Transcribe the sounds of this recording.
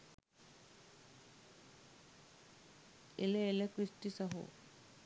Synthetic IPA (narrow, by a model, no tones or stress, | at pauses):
ḛleelekɾisʈisaɦo̰